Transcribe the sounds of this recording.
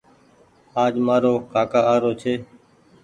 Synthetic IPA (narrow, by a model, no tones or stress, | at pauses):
aːd͡ʒmaːɾoːkaːkaːaːɾoːt͡ʃʰeː